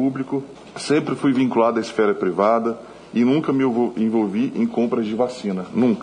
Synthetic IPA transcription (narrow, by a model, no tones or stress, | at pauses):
ublikʊ | sẽpɾɪfujvĩkulad̪ʊɐɪsfɛɾɐpɾivad̪ɐ | ɪnũkɐmɪẽvowviʔẽj̃kõmpɾɐzd͡ʒɪvasĩnɐnũk